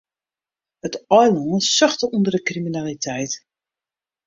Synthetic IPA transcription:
ətɔjlɔnsøxtəundərdəkriminalitʰɛjt

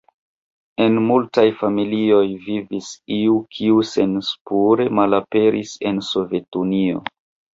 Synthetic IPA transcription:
e̞nmultajfamilio̞jvivisiukʰiuse̞nspuɾe̞malape̞ɾʔise̞nso̞ve̞tunio̞̰

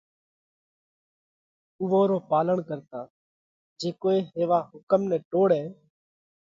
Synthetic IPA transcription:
ʊʋoːɾoːpaːləɳkəɾt̪aː | d͡ʒeːkoːeːɦeːʋaːɦʊkəmnɛ̃ːʈoːɽɛː

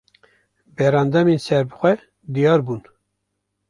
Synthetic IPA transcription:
bɛɾɑːnd̪ɑmensɛɾbɨxʷɛ | d̪ijɑːɾbuːn

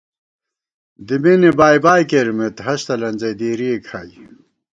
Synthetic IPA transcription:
d̪imenebaːjbaːjkeɾimet̪ɦɐɕt̪ɐlɐnzɐjd̪iːɾiekʰa̰ːj

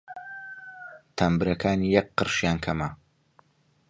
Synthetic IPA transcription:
t̪ʰɐmbɨɾɐkʰaːnijɐk̚qɨɾʃjaːnkʰɐmɐ

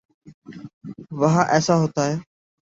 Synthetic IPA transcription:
ʋəɦaːʔɛːsaːɦoːt̪aːɦeː

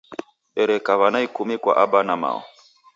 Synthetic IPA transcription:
ɛɾɛkaβanaikumikwa̰ʔaɓanama̰ɔ̰

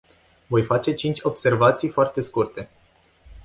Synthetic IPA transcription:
vo̞jfat͡ʃe̞t͡ʃint͡ʃʲo̞bse̞rvat̪sijfoart̪e̞skurt̪e̞

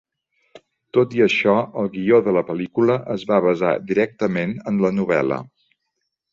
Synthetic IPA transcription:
t̪ot̪iəʃɔəlˠɣioðələpəlikuləʔəzβaβəza̰d̪iɾɛk̚t̪əmenənlənuβ̞ɛ̰lə̰

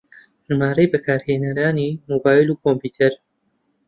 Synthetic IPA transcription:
ʒ̥maːɾɐjbɐkʰaːɾheːnɐɾaːnimoːbaːjiluːkʰompiːt̪ʰɐɾ

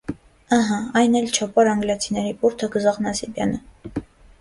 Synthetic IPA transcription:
ɑɦɑɑjnɛlt͡ʃʰɑpɑɾɑŋɡljɑt͡sʰinɛɾipuɾt̪ʰəɡəzɑʁnɑsibjɑ̰nə

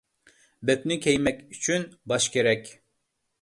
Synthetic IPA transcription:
bɛkʲnɪkʲʰejmɛkʲyt͡ʃʰynbɑʃkʲʰeɾɛkʲ

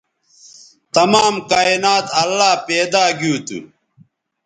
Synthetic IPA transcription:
t̪ɐmaːmkaːinaːt̪ɐlːaːpeːd̪aːɡjuːt̪ṵ

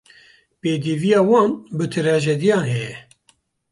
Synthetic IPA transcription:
peːd̪iːvijɑːwɑːnbɨt̪ʰɨɾæːʒɛd̪ijɑːnɦɛjɛ

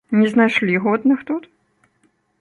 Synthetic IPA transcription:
nʲɛznajʂlʲiɣɔd̪nɨxt̪ut̪

